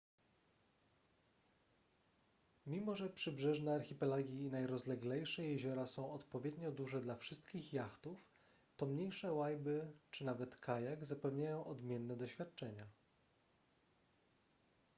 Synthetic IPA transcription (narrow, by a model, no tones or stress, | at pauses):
mʲimɔʐɛpʂɘbʐɛʐnɛaɾxʲipɛlaɡʲinajɾɔzlɛɡlɛjʂɛjɛʑɔɾasɔ̃w̃ɔt̪pɔvʲjɛd̪ɲɔd̪uʐɛd̪lafʂɘst̪̚kʲixjaxt̪uf | t̪ɔmɲejʂɛwajbɘt͡ʂɘnavɛt̪kʰajaɡzapɛvɲajɔ̃w̃ʔɔd̪mʲjɛnːɛd̪ɔɕfʲjat̪̚t͡ʂɛɲa